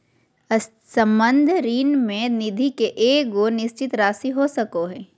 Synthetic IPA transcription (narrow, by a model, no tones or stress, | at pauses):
sɐ̃mbə̃nd̪ʱɾiːnmẽnɪd̪ʱikeʔeːkɡonɪst͡ʃɪt̪ɾaːsiɦosɐkoɦɛː